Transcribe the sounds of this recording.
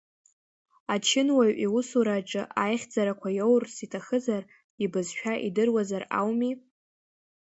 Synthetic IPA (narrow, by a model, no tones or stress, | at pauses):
at͡ʃʰɪnwaɥʔiwʊsuɾaʈ͡ʂʼɨʔajχʲd͡zaɾakʷʰajowrsitʰaχɨzar | ibɨzʃᶣaʔidɨrwazara̰wmi